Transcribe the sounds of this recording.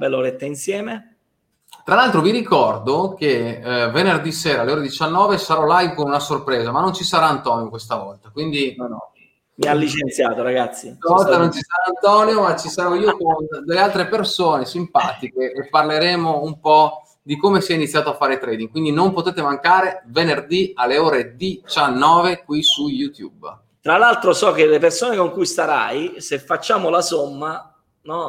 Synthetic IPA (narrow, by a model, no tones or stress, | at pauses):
bɛlːoɾet̪ːeinsjɛːme | t̪ɾalːalt̪ɾoviɾikɔrd̪ok̟evenerd̪iseːɾaːleoːɾed̪it͡ʃanːɔːvesaɾɔlajvkonunasorpɾeːzamanːont͡ʃisaɾaːnt̪ɔːniokwest̪avɔ̰lt̪akwind̪inonɔ̰ | mialːit͡ʃent̪jaːt̪oɾaɡat̪sːisavɔlt̪anont͡ʃisaɾaant̪ɔːnjomat͡ʃːisaɾɔiːokond̪elːealt̪ɾepersoːnesimpaːt̪ikeʔːpːarleɾɛːmoumpɔ | d̪ikomesiɛinit̪sːjaːt̪oafːaːɾet̪ɾɛːd̪iŋɡkwind̪inompot̪eːt̪emaŋkaːɾevenerd̪ialːeoːɾed̪it͡ʃanːɔːvekwisujut̪jṵb | t̪ɾalalt̪ɾosɔkelepersoːnekoŋkujst̪aɾa̰jsefːat͡ʃːaːmolasomːa | nɔ